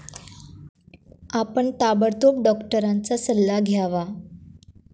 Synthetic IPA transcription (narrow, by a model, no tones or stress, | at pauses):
apəɳt̪abəɾt̪op̚ɖɔkʈəɾant͡sasəlːaɡʱjaʋa